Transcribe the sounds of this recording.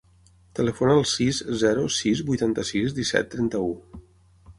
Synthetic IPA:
t̪ələfonəːlˠsizzɛɾusizbujt̪ant̪əsizd̪isɛ̰t̪ːɾɛnt̪əu

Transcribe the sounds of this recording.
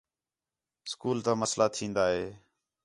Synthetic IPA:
skuːlt̪ãːməslʔaːt̪ʰĩːnd̪aːɦeː

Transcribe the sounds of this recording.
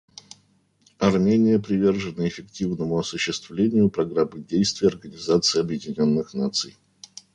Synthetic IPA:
ɐrmʲenʲɪjəpɾʲɪvʲe̞rʐɨnəɪfʲɪktʲivnəmʊɐsʊɕːɪst̪vlʲenʲɪjʊpɾɐɡɾamːɨdʲejst̪vʲɪjəɐrɡənʲɪzat̪sɨɪɐbjɪdʲɪnʲo̞nːɨxnat̪sɨ̰j

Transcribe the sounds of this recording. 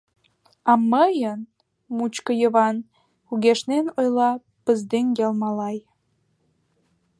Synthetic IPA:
ɑməjən | mut͡ɕkəjəβɑn | uɣeʃnenojlɑ | pəzd̪eŋɡelmɑlɑj

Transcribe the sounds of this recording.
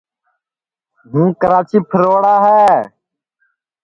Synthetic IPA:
ɦũːkəɾaːt͡ʃiːpʰəɾoːɽaːɦɛː

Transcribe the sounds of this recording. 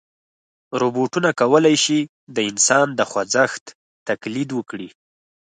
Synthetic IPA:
ɾoboʈunakawəlajʃi | d̪əɪnsɑnd̪əxwad͡zaxt̪ː | aklid̪wəkɽi

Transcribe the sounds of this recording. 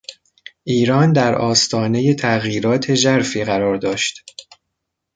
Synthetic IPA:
ʔiːɾɒːnd̪æɾʔɒːst̪ʰɒːne̞je̞t̪ʰæɣjiːɾɒːt̪ʰe̞ʒæɾfiːɣæɾɒːɾd̪ɒːʃt̪

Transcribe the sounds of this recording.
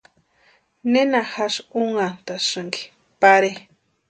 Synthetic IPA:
nenaxaʂuŋant̪aʂɨŋɡi̥ | paɾe

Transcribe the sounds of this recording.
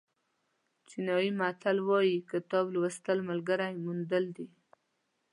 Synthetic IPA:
t͡ʃinɑjimat̪ʰalwɑjikət̪ɑblwəst̪əlmalɡaɾajmund̪əld̪i

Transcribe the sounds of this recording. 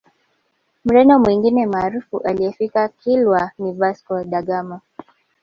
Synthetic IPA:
m̩ɾɛndɔmwiŋɡinɛmaːɾufuʔaliɛfikakʰilwanivaskɔɗaɠamɔ

